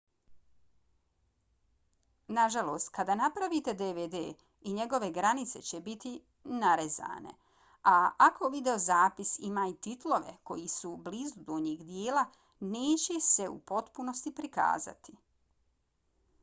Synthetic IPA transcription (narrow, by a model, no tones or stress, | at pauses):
naʒalo̞ːst̪kad̪anapɾaʋit̪e̞d̪eʋed̪ḛː | iɲe̞ɡo̞ʋe̞ɡɾanit̪se̞̰t͡ɕe̞bit̪i | naɾe̞za̰ːne̞̰ | aakʰo̞ʋid̪e̞o̞zaːpisimaːit̪it̪lˠo̞ʋe̞̰ko̞jisublizud̪oɲiːɡd̪jeːla | ne̞ːt͡ɕe̞se̞ṵpo̞t̪puno̞st̪ipɾika̰ːza̰t̪i